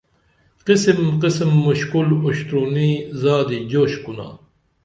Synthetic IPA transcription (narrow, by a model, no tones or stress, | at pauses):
qisimqismːuɕkuluɕt̪ɾuniːzaːd̪id͡ʑoːɕkuna̰ː